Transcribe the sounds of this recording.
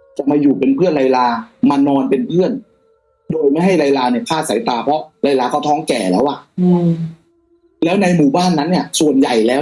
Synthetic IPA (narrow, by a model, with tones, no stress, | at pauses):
t͡ɕa˨˩maː˧juː˨˩pe˧npʰɯ˥˩ənla˧jlaː˧ma˧nɔː˧npe˧npʰɯ˥˩ən | doː˧jma˥˩jɦa˥˩jla˧jlaː˧ni˥˩kʰaː˥˩t̪̚sa̰˩˦jt̪aː˧pʰɔ˦˥ɾa˧jlaː˧kɔː˥˩t̪ʰɔː˦˥ŋkɛː˨˩lɛː˦˥wʔa˨˩ | lɛː˦˥wna˧jmuː˨˩baː˥˩nːa˦˥nːi˥˩ɐsu˨˩ənja˨˩jlɛː˦˥